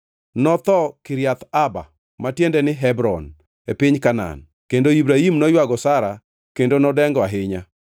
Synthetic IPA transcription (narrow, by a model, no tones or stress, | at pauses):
nɔt̪ɔkɪɾjat̪aba̰ | matjendɛnɪɦɛbɾɔn | epɪɲkana̰n | kendoibɾaimnɔjwaɡɔsaɾa | kendonɔdɛŋɡɔaɦɪɲa